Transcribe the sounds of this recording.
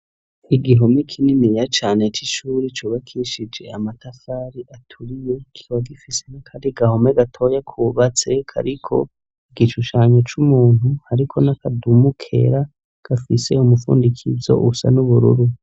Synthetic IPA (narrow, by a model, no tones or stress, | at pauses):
iɡiɦo̞mekʰininijat͡ʃaːne̞t͡ʃiʃuːɾit͡ʃuːβakʰiʃid͡ʒe̞̰amatafaːɾiʔatʰuɾije̞ki̥βaɡifise̞nakʰadiɡaho̞meɡatʰo̞jakʰuβat͡se̞kʰa̰ɾikʰo̞̰ | iɡiʃuʃaɲo̞t͡ʃumuːn̥huhaɾikʰo̞nakadumukʰe̞̰ɾa | ɡ̥afise̞umufṵːndikʰizo̞̰ʔusa̰nuβuɾṵɾu